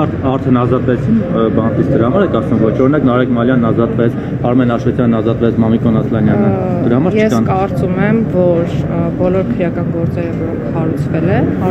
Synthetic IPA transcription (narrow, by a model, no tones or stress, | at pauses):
ɑɾt̪ʰɛnɑzɑt̪vɛt͡sʰinbɑnt̪it͡sʰd̪əɾɑhɑmɑɾɛkɑsnumvɔt͡ʃʰɔɾinɑknɑɾɛkmɑljɑnːɑzɑt̪vɛt͡sʰ | ɑɾmɛnɑʃvɛt̪ʰjɑnːɑzɑt̪vɛt͡sʰmɑmikɔnɑslɑnjɑnə | d̪əɾɑhɑmɑɾjt͡ʃʰɛskɑnkɑɾt͡sumɛmvɔɾbɔlɔɾkʰəɾjɑkɑnɡɔɾt͡sɛɾəvɔɾɔŋkʰhɑɾut͡sʰvɛlɛn